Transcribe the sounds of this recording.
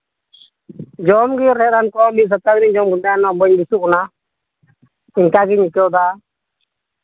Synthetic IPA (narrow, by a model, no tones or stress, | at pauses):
d͡ʒɔmɡiɾɛɾankɔmis̬ɔt̪aɡnid͡ʒɔmɡudanɔbɔɲbisukɔna | iɲkaɡiɲikɔd̪a